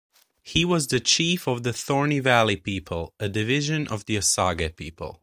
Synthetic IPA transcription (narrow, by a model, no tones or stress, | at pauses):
hiwʌzðɨt͡ʃʰifʌvðɨθɔɹnivælˠipipʰəlˠɨdɨvɪʒɨ̃nʔʌvðiɨsɑɡɨpʰipʰə̰l̩ˠ